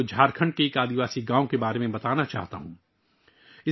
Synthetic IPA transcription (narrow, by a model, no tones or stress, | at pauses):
d͡ʒʱaːɾkʰə̃ɳɖ̚keeːkaːd̪iʋaːsiɡãːõkebaːɾemẽbɐt̪aːnat͡ʃa̰ːɦt̪a̰ɦũː | ɪ